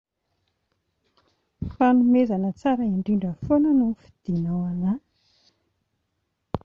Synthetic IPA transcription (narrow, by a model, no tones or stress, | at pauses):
fanumezanət͡saɾəiɳɖ͡ʐiɳɖ͡ʐəfonənufi̥d̪̥inawana